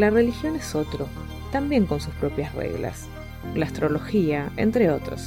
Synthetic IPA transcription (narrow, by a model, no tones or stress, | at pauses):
lare̞lixjo̞neso̞t̪ɾo | t̪ambje̞ŋko̞nsuspɾo̞pjasrḛɣla̰s | laast̪ɾo̞lo̞xiaḛnt̪ɾeo̞t̪ɾo̰s